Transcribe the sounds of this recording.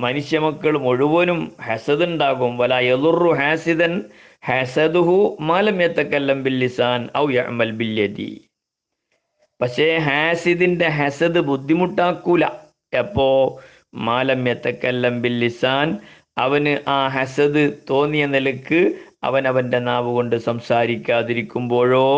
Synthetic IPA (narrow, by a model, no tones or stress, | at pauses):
mɐnuʂjɐmɐkːɐɭumo̞ɻuʋɐːnumhɐsɐðuɳɖaːɣumʋɐlaːjɐðurːuɦaːsiðɐn | hɐsɐd̪uɦumaːlɐmjɐt̪ɐkɐlːɐmbilːisaːnɐ̰wjɐ̰ʔmɐlbiljɐd̪ḭ | pɐkʂe̞ɦaːsiðinde̞ɦɐsɐd̪ɨbud̪ʱːimuʈːaːkːuːlɐ̰ | ɐpːo̞ː | maːlɐmjɐt̪ɐkɐlːɐmbilːisaːn | ɐ̰ʋɐnɨʔaːɦɐsɐðɨt̪o̞ːnːijɐnelɐkːɨɐ̰ʋɐnɐʋɐnde̞naːʋuɣo̞ɳɖɨsɐmsaːɾikʲːaːðiɾikʲːumbo̞ːɻo̞ː